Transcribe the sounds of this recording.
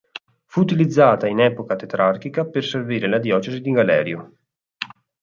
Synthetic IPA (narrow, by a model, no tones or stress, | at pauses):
fuːt̪ilid̪zːaːt̪ainɛːpokat̪et̪ɾarkikaperserviːɾelad̪jɔːt͡ʃezid̪iŋɡalɛ̰ːɾjo